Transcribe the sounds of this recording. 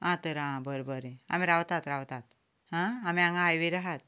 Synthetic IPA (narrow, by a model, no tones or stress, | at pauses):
ãt̪əɾãbəɾbəɾea̰miɾawt̪at̪ɾawt̪at̪ | ɦãamiãŋɡaːjʋiɾaɦat̪